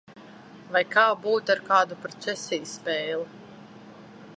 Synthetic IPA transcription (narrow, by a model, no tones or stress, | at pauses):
vajkaːbuːt̪aɾkaːd̪upɾɔt̪sɛsʲijspɛːlˠu